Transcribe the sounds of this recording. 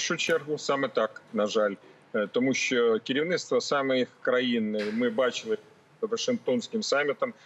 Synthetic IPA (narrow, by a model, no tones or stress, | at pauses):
ʂʊt͡ɕerɣʊsamɨt̪aknɐʐalʲ | t̪ɐmuɕːokʲɪɾʲɪvnɨst̪vəsamɨjkɾɐinːɨjmɨbat͡ɕɪlˠɨ | əvəʂɨŋk̚t̪o̞nskʲɪmsamʲːɪt̪əm